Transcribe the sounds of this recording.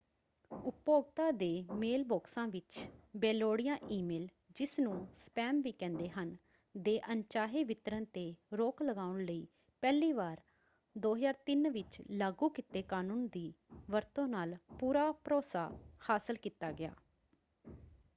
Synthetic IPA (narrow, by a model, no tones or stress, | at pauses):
ʊpoːɡt̪aːd̪eːmeːlboːksãːʋɪt͡ʃbɛːloːɽɪjãːʔiːmeːl | d͡ʒɪsnũːspɛːmʋiːkɛ̃ːnd̪eːɦən | d̪eːʔənt͡ʃaːɦeːʋɪt̪əɾənt̪eːɾoːkləɡaːʊɳləiː | pɛːliːʋaːɾ | d̪oːɦəzaːɾt̪ɪnʋɪt͡ʃlaːɡuːkɪt̪eːkaːnũːnd̪iːʋəɾt̪õːnaːlpuːɾaːpɾoːsa̰ːhaːsəlkiːt̪aːɡɪja̰ː